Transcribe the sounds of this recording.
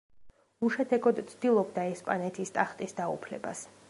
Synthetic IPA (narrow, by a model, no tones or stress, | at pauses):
uʃɛt̪ʰɛɡɔd̪t̪sʰd̪̥ilˠɔbd̪aɛspʼanɛt̪ʰist̪ʼaχt̪ʼisd̪aṵpʰlɛ̰ba̰s